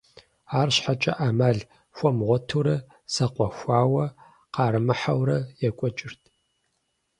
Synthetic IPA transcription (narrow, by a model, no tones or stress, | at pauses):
aːrɕħat͡ʃʼɐ̰ʔaːmaːɮ | xʷɔmʁʷɔtʰuɾɐ | sɐqʷʼɔxʷaːwɐ | qɑːɾɨmɨħawrɐjɛkʷʼɔt͡ʃʼɪrtʰʼ